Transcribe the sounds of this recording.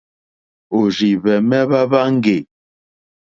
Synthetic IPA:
o˨zi˨βɛ˨mɛ˦βa˦βa˦ŋ̩˦ɡe˨

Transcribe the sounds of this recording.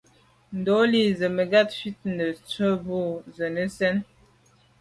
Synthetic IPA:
n̩˨dɔ˨˦li˦˨zə˨mə˨ɡa˦t̚fi˦t̚nə˨t͡sə˦bu˦˨zə˨nə˦sɛ˦n

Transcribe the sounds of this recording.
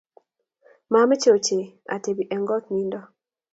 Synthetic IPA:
ma˨mɪ˦t͡ʃo˨t͡ʃe˨ | a̰˨te˨bi˨ʔɛ˨ŋɡɔ˦t̪̚ni˦ndɔ˦

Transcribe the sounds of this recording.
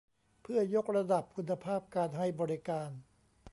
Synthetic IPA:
pʰɯ˥˩ɐjo˦˥k̚ɾa˧da˨˩p̚kʰu˧nːa˧pʰaː˥˩p̚kaː˧nɦa˥˩jbɔː˧ɾi˦kaː˧n

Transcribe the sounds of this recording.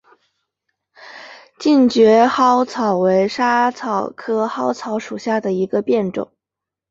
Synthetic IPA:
t͡ɕi˥˩nt͡ɕɥɛ˧˥xɑ˥ʊt͡sʰɑ˨˩ʊwe˧˥ɪʂa˥t͡sʰɑ˨˩ʊkʰɤ˥xɑ˥ʊt͡sʰɑ˧˥ʊʂu˨˩ɕja˥˩d̪ə˩i˧˥ɡə˧pjɛ˥˩nʈ͡ʂʊ̰˨˩˦ŋ

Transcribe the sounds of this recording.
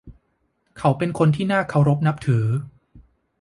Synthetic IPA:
kʰa˩˦˥wpe˧nkʰo˧nt̪ʰiː˥˩naː˥˩kʰa˧wɾo˦˥p̚na˦˥p̚t̪ʰɯː˩˦

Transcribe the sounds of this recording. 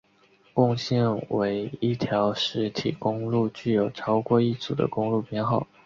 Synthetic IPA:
kʊ˥˧ŋɕjɛ˥˩nwe˧˥ɪi˥˩t̪ʰjɑ˧˥ʊʂɻ̩˧˥t̪ʰḭ˨˩kʊ˥ŋlu˥˩t͡ɕy˥˩jo˨˩ʊʈ͡ʂʰɑ˥ʊkwɔ˥˧i˥˩t͡su˨˩d̪ə̰˦kʊ˥ŋlu˥˩pʰjɛ˥nxɑ˥˩ʊ

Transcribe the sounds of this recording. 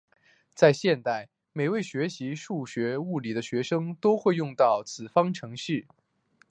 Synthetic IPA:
t͡sa˥˧ɪɕjɛ˥˧nt̪a˥˩ɪ | me˨˩ɪwe˥˩ɪɕɥɛ˧˥ɕi˧˥ʂu˥˩ɕɥɛ˧˥u˥˩li˨˩d̪ə˦ɕɥɛ˧˥ʂɤ˥ŋt̪o˥ʊxwe˥˧ɪjʊ˥˧ŋt̪ɑ˥˩ʊt͡sʰɹ̩˨˩fɑ˥ŋʈ͡ʂʰɤ˧˥ŋɕy˥˩

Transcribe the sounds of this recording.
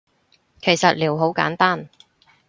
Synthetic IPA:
kʰe˨˩jsɐ˨t̚liː˨˩wɦo˨˥wka̰ː˨˥nt̪aː˥˩n

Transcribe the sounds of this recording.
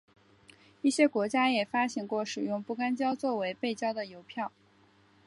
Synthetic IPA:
i˥˩ɕjɛ˥kwɔ˧˥t͡ɕja˥jɛ˨˩fa˥ɕi˥˨˩ŋkwɔ˥˩ʂɻ̩˨˩jʊ˥˧ŋpu˥˩ka˥nt͡ɕjɑ˥ʊt͡swɔ˥˩we˧˥ɪpe˥˩ɪt͡ɕjɑ˥ʊd̪ə˨jo˧˥ʊpʰjɑ˥˩ʊ

